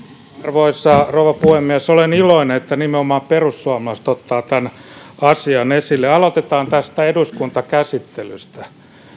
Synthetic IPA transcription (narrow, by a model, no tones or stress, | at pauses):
rʋoisːɑrouʋɑpuhemːiæsoleniloineet̪ːænimeomɑːmperusːuɑmɑlɑst̪ot̪ːɑːt̪ænɑsiɑnesilːeɑlot̪et̪ɑːnt̪æst̪æeduskunt̪ɑkæsit̪ːelyst̪æ